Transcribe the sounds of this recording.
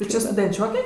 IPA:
tʊ ˈt͡ʃʲɪ stʊdʲɛnʲˈt͡ʃʲoːkʲɛ

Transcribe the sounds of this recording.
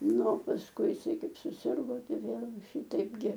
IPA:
ˈnʊ oː pɐsˈkʊɪ ɪˈsɐɪ ˈkɐɪp sʊˈsʲɪrɡoː ˈtɐɪ ˈʋʲeːlˠ ˈʃʲiːtɐɪp ɡʲɪ

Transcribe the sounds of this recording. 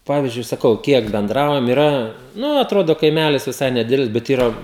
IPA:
ˈpɑːʋʲiːzʲd͡ʒʲʊɪ sɐˈkɐʊ ˈkʲiɛk bʲɛnˈdrɐʊjɛm ɪˈrɐ ˈnʊ ɐtˈroːdoː kɐɪˈmʲælʲɪs ʋʲɪˈsɐɪ nʲɛˈdʲɪdʲɛlʲɪs bʲɛt ˈiːrɐ

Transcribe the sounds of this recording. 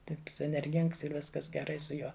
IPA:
ˈtɐɪps ɛnʲɛrʲˈɡʲɪŋks ɪr ˈʋʲɪskɐs ɡʲɛˈrɐɪ sʊ ˈjuɔ

